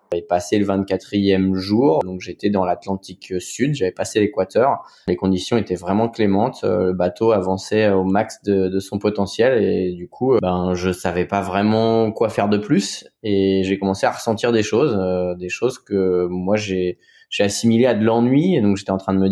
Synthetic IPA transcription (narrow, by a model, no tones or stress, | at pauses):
avɛpaseləvɛ̃t̪̚kʲat̪χijɛmʒuʁd̪ɔ̃kʒet̪ɛd̪ɑ̃lat̪lɑ̃t̪iksyd̪ʒavɛpaselekwat̪œʁ | lekɔ̃d̪isjɔ̃et̪ɛvʁɛmɑ̃klemɑ̃t̪ʰø̰ləbat̪oavɑ̃sɛomaksd̪əd̪əsɔ̃pɔt̪ɑ̃sjɛled̪ykʰubɛ̃ʒəsavɛpavʁɛmɑ̃kwafɛʁd̪əplyseʒekɔmɑ̃seaʁəsɑ̃t̪iʁd̪eʃozød̪eʃozkəmwaʒe | ʒ̥easimilead̪əlɑ̃nɥied̪ɔ̃kʒet̪ɛɑ̃t̪χɛ̃d̪əmə